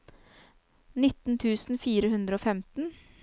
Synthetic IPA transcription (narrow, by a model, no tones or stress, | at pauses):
nɪt̪n̩t̪ʰʉːsn̩fiːɾəhʉnd̪ɾəoːfɛmt̪n̩